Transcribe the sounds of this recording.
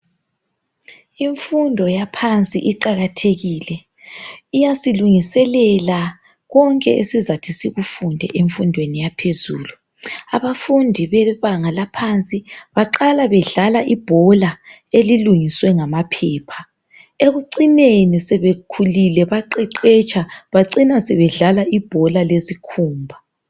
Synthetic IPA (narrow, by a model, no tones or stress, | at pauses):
iɱfundʱɔjapʰant͡sʼḭʔiǃaɣatʰeɣiːlɛ | ijasiluŋisɛlɛla | ɣɔŋkʼɛ̰ḛsizatʰisiɣufundʱɛ̰ʔeɱfundʱwenijapʰezuːlu | a̰βafundʱiβɛβaŋalapʰant͡sʼiβaǃalaβɛɮalaʔib̥ʱɔla | eliluŋiswɛŋamapʰɛːpʰḁ | eɣuǀinenisɛβekʰulilɛβaǃiǃɛt͡ʃʰʼaβaǀinasɛβɛɮalaʔib̥ʱɔlalezikʰuːmbʱa